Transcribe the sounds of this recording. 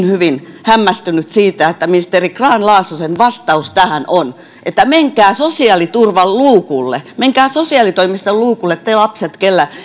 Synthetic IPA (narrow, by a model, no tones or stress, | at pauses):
nhyʋinhæmːæst̪ynyt̪siːt̪æet̪ːæminst̪eːrikrɑːnlɑːsusenʋɑst̪ɑust̪æhænon | ʔet̪ːæmeŋkæːsosiɑlit̪urʋɑlluːkulːḛmeŋkæːsosiɑlit̪oimist̪ɑlluːkulːet̪ːeilɑpset̪kelːæ